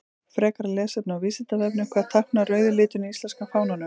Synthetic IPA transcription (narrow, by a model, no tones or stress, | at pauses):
fɾɛːkaɾlɛːsɛp̚nawviːsɪnt̪aðɛpnɪmkʰvaːðt̪ʰahknarœːɥðʏlɪːt̪ʏniist̪lɛnskafaːwnanʏm